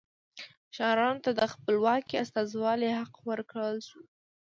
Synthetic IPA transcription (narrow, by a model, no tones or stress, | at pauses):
ʃɑɾɑnot̪ad̪əxpəlwɑkiast̪ɑzwɑlehaqwəɾkɽəlʃu